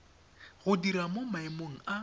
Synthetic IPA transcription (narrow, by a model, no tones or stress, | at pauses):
ɣʊdiɾamomaɪmoŋ̩ʔa